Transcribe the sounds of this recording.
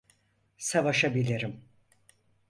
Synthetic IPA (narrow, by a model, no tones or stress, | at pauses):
savaʃabilʲiɾim